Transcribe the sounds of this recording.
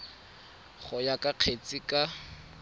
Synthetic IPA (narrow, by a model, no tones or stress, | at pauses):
χʊjakʼaq͡χʰet͡sʼɪkʼa